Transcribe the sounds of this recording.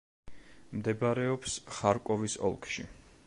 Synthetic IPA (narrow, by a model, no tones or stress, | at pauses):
md̪ɛbɾɛɔpsχaɾkʼɔvisɔ̰lˠkʰʃḭ